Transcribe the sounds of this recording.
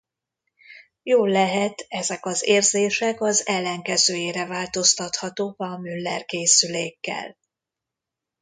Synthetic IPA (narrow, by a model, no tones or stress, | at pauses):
joːlːɛɦɛt̪ɛzɛkɒzeːrzeːʃɛkɒzɛlːɛŋkɛzøːjeːɾɛvaːlt̪o̞st̪ɒt̪hɒt̪oːkɒmylːɛrkeːsyleːkːɛ̰l